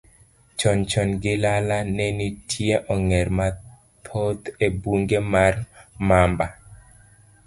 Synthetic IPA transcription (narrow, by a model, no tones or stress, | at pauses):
t͡ʃɔnt͡ʃɔnɡɪlalanɛnitʰjeʔɔŋɛɾma | t̪ʰot̪ebuŋɡemarmamba